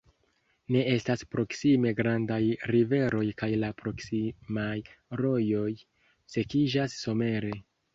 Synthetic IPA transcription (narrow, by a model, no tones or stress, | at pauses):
ne̞e̞staspɾo̞ksime̞ɡɾandajɾive̞ɾo̞jkajlapɾo̞ksimajɾo̞jo̞j | se̞kid͡ʒasːo̞me̞ɾe̞